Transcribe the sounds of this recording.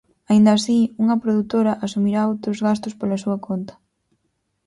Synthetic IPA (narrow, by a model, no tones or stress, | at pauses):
aind̪aːsiuŋɐpɾoðut̪oɾɐʔasumiɾaowt̪ɾʊzɣast̪ʊspolɐsuɐkʰont̪ɐ̥